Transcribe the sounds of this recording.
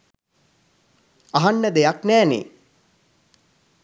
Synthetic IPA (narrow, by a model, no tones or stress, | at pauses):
aɦanːəd̪ejaknæːnḛ